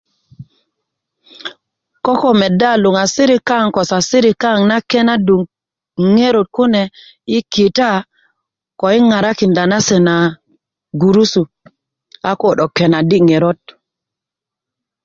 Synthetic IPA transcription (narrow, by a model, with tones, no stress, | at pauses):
ko˦ko˨me˨da˦˨lu˨ŋa˨si˦ɾi˦ka˦˨ŋko˨sa˨si˦ɾi˨ka˦˨ŋna˦ke˦na˦du˨ŋ | ŋe˦ɾo˨t̚ku˦ne˨ | i˦ki˨ta˦ | ko˨i˦ŋa˨ɾa˦ki˨nda˨na˦se˨na˨ | ɡu˨ɾu˦su˨ | a˦ko˨ɗo˨ke˨na˨di˦ŋe˨ɾo˦t̚